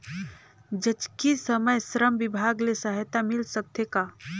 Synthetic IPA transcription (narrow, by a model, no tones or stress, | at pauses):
d͡ʒət͡ʃkisəməjsɾəmbibʱaɡlesəɦjt̪amilsəb̚t̪ʰeka